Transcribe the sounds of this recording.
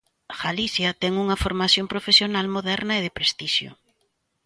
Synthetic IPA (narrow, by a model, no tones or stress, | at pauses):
ɣaliθjɐt̪ɛŋuŋɐfoɾmaθjompɾofesjonalmoðɛɾnɐeðɪpɾest̪iʃjʊ̰